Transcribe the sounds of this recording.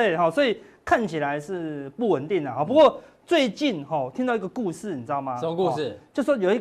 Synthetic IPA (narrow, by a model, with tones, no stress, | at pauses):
t̪we˥˨˩ɪɦɔ˨˩swɔ˧˥i˨˩kʰa˥˨nt͡ɕʰi˨la˧˦ɪʂɻ̩˥˧pu˥˩wə˨˦nt̪i˥˩ŋd̪ə˩ɦɔ˨˩pu˧˦kwɔ˥˧ | t͡swe˥˧ɪt͡ɕi˥˨nhɔ˥˩t̪ʰi˦˥ŋt̪ɑ˥˩ʊ˧i˥ɡə˧ku˥˧ʂɻ̩˥˩ni˨˩t͡sɻ̩˥ɑ˥˩ʊma˨ku˥˧˥t͡ɕjo˥˧ʊswɔ˥jo˨˩ʊi˥